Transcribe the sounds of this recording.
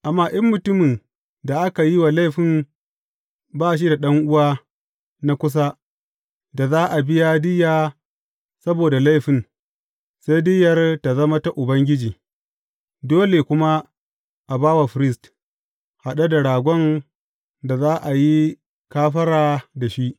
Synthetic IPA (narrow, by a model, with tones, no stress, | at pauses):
ʔa˨mːaː˦˨ʔɐ˦mːʊ˨tʊ˦mɪ˨n | da˨ʔa˦ka˨ji˦wa˨la˦jɸɪ˨m | baː˦ʃ̬i˦da˨ɗɐ˦ŋʔʊ˦waː˦ | na˦kʷʊ˦s̬a˦ | da˨zaː˦ʔa˨bɪ˦ja˦dɪ˦jaː˨ | sɐ˦boː˨da˨la˦jɸɪ˨n | seː˦dɪ˦jɐ˨rta˨zɐ˦ma˦ta˦ʔʊ˨bɐ˦ŋɡʲɪ˦d͡ʒiː˨ | doː˦le˨kʷʊ˦ma˦ | ʔa˨baː˦wa˨ɸɪ˨ɾɪ˦st | ha˨ɗa˦da˨ɽaː˨ɡʷɔ˦n | da˨zaː˦ʔa˨ji˦ | kaː˦ɸɐ˦ɾaː˨da˨ʃi˦ʔ